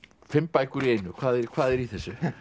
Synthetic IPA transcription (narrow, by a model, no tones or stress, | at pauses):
fɪmpaːjkʏɾieːjnʏkʰv̥aːðɛɾkʰv̥aːðɛɾiθɛsːʏ